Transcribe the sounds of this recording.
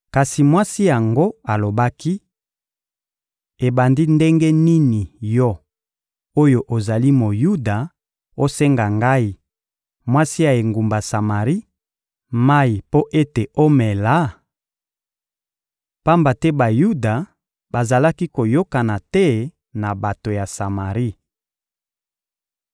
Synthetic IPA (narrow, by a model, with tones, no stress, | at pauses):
ka˨si˨mwa˦si˦ja˨ŋɡo˦a˨lo˨ba˦ki˦ | e˨ba˨ndi˦nde˦ŋɡɛ˦ni˦ni˨jɔ˦ | o˦jo˨ʔo˨za˨li˦mo˨ju˦da˨ | o˦sɛ˦ŋɡa˨ŋɡa˦i˦ | mwa˦si˦a˨e˨ŋɡu˨mba˨sa˨ma˨ʁi˦ | ma˦i˨po˦ʔe˦te˨o˦mɛ˨la˦ | pa˦mba˨tɛ˦ba˨ju˦da˨ | ba˨za˨la˦ki˦ko˨jo˦ka˨na˨tɛ˦ | na˨ba˨to˨ja˨sa˨ma˨ʁi˦